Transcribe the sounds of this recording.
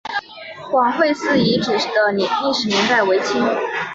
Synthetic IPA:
kwɑ˨˩ŋxwe˥˧ɪsɹ̩˥˩i˧˥ʈ͡ʂɻ̩˨˩ʂ̩˥˩d̪ə˦nɛ˨˩nli˥˧ʂɻ̩˨˩mi˧˥ŋt̪a˥˩ɪwe˧˥ɪt͡ɕʰi˥ŋ

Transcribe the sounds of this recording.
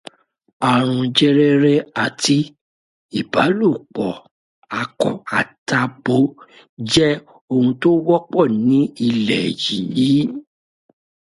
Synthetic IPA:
a˨ɾ̃ũ˧d͡ʒɛ˦˧ɾɛ˧ɾɛ˧a˨ti˧ | i˨ba˨˦lu˦˨k͡pɔ˨ | a˧kɔ̰˨˦a˨ta˧bo˨˦ | d͡ʒɛ˦ | o˧hũ˧to˦wɔ˦k͡pɔ˦˨nĩ˨˦i˧lɛ˨ji˨jiː˨˦

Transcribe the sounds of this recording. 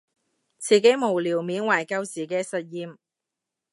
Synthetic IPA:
t͡sʰiː˨˩ke˨˥jmo˨˩wliː˨˩wmiː˨˥nwaː˨˩jkɐ˧wt͡siː˨˩kɛː˧sɐ˨t̚jiː˨˧m

